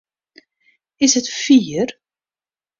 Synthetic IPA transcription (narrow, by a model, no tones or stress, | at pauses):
ɪshətfiːər